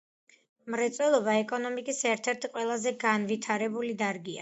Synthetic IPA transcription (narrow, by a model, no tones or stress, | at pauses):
mɾɛt̪sʼwɛlˠɔbaɛkʼɔnɔmikʼisɛɾt̪ʰɛɾt̪ʰiqʼwɛlˠazɛɡanvit̪ʰaɾɛbulid̪aɾɡia̰